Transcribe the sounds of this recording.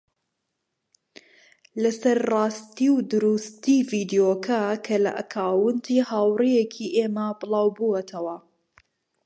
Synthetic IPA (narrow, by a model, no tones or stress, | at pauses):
lɐsɐɾrɑːst̪iwd̪ʊɾust̪iviːd̪ijoːkʰɐkʰɐlɐ̰ʔɐ̰kʰaːwɨnd̪ihaːwrijekʰiʔeːmɐbɨlˠɑːwbuɐt̪ʰɐwɐ